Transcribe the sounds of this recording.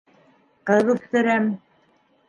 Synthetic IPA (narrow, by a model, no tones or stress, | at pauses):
qɤðuθt̪ɘ̆ɾæm